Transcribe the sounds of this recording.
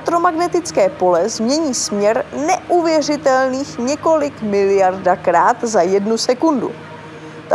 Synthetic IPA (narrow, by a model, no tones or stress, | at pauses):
t̪ɾo̞maɡnɛt̪ɪt͡skɛːpo̞lɛzmɲɛɲiːsmɲɛɾnɛʔuvjɛr̝ɪt̪ɛlniːxɲɛko̞lɪkmɪlɪjardakɾaːt̪zajɛdnusɛkundṵ | t̪a